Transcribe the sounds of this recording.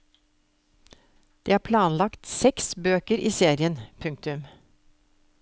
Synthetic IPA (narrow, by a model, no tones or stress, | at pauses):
d̪̥iːhɑːɾpʰlɑːnlɑkt̪sɛksbøːkəɾʔiːseːɾɪənpʰʉŋk̚t̪ʉm